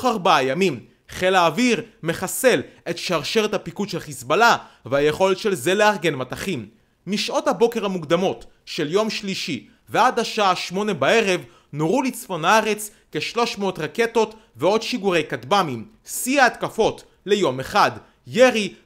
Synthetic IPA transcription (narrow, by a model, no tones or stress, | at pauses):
χaʁbaajamim | χe̞laːviʁme̞χase̞le̞tʃaʁʃe̞ʁet̪hapikudʃelχisbalaveajeχo̞letʃelze̞leaʁɡe̞nmat̪aχimː | iʃʔo̞thabo̞keʁhamukd̪amo̞t | ʃeljo̞mʃliʃi | vead̪aʃaaʃmo̞ne̞bae̞ʁe̞v | noʁulit͡sfo̞naaʁe̞t͡s | keʃlo̞ʃmeot̪ʁake̞to̞t | veo̞d̪ʃiɡuʁe̞jkatbamim | siaːt̪kafo̞t | le̞jo̞me̞χad | jeʁi